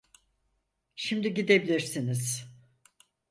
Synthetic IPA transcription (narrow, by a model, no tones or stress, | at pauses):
ʃimd̪iɟid̪e̞bilʲiɾsiniz̥